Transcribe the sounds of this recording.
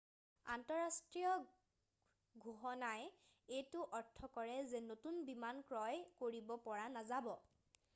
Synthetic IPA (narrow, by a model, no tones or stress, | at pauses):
a̰ntɔɹastɹiɔ | ɡʱuɦɔnaj | ejtʊʔɔɹtʰːɔkɔɹɛzenotunbimankɹɔjkoɹibɔpɔɹanazabɔ